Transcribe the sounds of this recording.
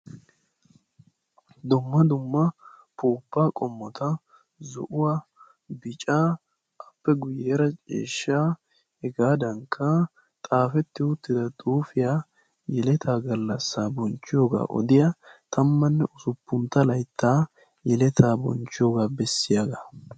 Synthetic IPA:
d̪ʊmːɐd̪ʊmːɐ | puːpːaːkʼɔmːɔt̪ɐ | zɔ̰ʔʊwaː | bɪt͡ʃʼaː | ɐpːɛɡʊjːeːɾɐt͡ʃʼḛːʃːaː | hɛɡaːd̪ɐŋkʰːɐ | t̪ʼaːfɛt̪ːɪʊt̪ːɪd̪ɐt̪ʼuːfɪjaː | jɛlɛt̪ʰaːɡɐlːɐsːaːbɔnt͡ʃːɪjoːɡa̰ːʔɔ̰d̪ɪjɐt̪ʰɐmːɐnːɛʔʊsʊpːʊnt̪ːɐlɐjt̪ːaː | jɛlɛt̪ʰaːbɔ̰nt͡ʃːɪjoːɡaːbɛsːɪjaɡɐ

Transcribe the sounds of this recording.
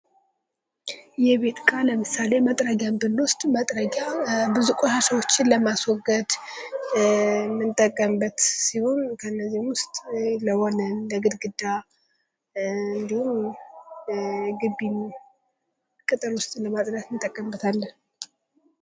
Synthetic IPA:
jɛβe̞t̪kʼaləmɨsale̞mət̪ʼɾəɡjambɨlːwʊst̪ʼmət̪ʼɾəɡabɨzukʼoʃaʃəwot͡ʃːɪnləmaswɔɡəd̪ | mɨnt̪ʼːəkʼːəmbət̪siho̞nkʰəɨnːəzːihmwʊst̪ʼləhonənləɡɨd̪ɡɨd̪ːa | ɨnd̪ihum | ɡɨbːin | kʼɨt̪ʼɨɾwʊst̪ʼləmat̪ʼɾəkmɨnt̪ʼːəkʼːəmbət̪ʰalːən

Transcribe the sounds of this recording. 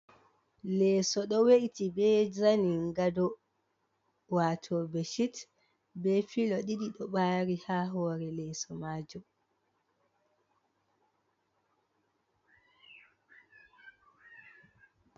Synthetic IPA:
lɛːsɔɗɔweʔitibɛd͡ʒaniŋɡadɔ | watʰɔbɛʃit | bɛfilɔɗiɗiɗɔɓaːɾihaːɦɔːɾɛlɛːsɔmaːd͡ʒɔ

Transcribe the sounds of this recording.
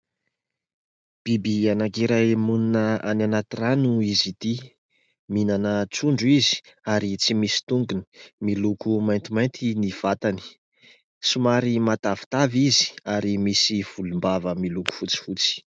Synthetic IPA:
b̥ibianakiɾajmununəananat̪iranuizit̪i | minanət͡suɳɖ͡ʐuizi̥ | aɾit͡simisi̥t̪uŋɡuni̥milukumajnt̪imajnt̪ʰiniv̥at̪ani̥ | sumaɾimat̪avi̥t̪avizi̥aɾimisiv̥ulumbavəmiluku̥fut͡si̥fut͡si̥

